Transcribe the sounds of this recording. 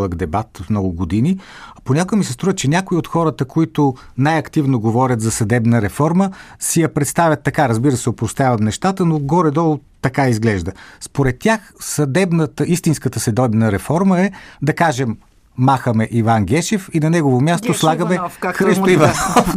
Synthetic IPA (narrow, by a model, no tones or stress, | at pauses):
lˠəɡd̪ɛbat̪fmnɔɡʊɡod̪iniaponʲakʊɛmisɛst̪ɾuvət͡ʃɛnʲakʊiot̪xɔɾət̪əkoit̪ʊnajɐkt̪ivnoɡovɔɾʲət̪zɐsɐd̪ɛbnəɾɛfɔɾməsijɐpɾɛt̪st̪avʲɐt̪ːɐkaɾɐzbiɾəsɛopɾost̪ʲjavɐmnɛʃt̪at̪ənoɡɔɾɛd̪ɔlˠt̪ɐkaizɡlɛʒd̪əspoɾɛt̪ːʲaxsɐd̪ɛbnət̪əist̪inskət̪əsɛd̪ɔbnəɾɛfɔɾməɛd̪ɐkaʒɛmː | axəmɛʔivanɡʲɛʃɛfinɐnɛɡovomʲjast̪oslˠaɡəmɛxɾist̪oivɐsɔf